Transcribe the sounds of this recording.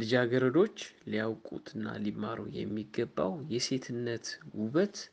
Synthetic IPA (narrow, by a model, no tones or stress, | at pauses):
lɨd͡ʒaɡəɾəd̪o̞t͡ʃːliawkʼṵt̪ʰɨnːa̰limːaɾṵjɛ̰mːiɡːəbːa̰wjɛse̞t̪ʰɨnːət̪wuβət̪